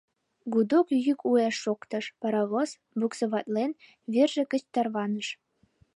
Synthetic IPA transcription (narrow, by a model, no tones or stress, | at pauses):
ɡud̪okjykueʃːokt̪ɤ̆ʃpɑɾɑβos | buksɤ̆βɑt̪len | βerʒĕkə̆t͡ɕt̪ɑrβɑnə̆ʃ